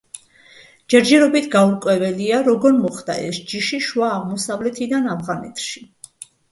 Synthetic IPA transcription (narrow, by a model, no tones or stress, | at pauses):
d͡ʒ̥ɛɾd͡ʒɛɾɔbit̪ʰɡauɾkʼwɛvɛliaɾɔɡɔɾmɔχd̪a̰ʔɛsd͡ʒiʃiʃwaːʁmɔsavlɛt̪ʰid̪anavʁanɛt̪ʰʃi